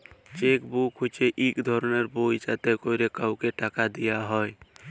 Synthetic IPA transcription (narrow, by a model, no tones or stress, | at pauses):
t͡ʃekbukʰɦut͡ʃeʔiːkd̪ʱɔɾnəɾboit͡ʃat̪ekoiɾekəʊkeʈakad̪ijaɦɔj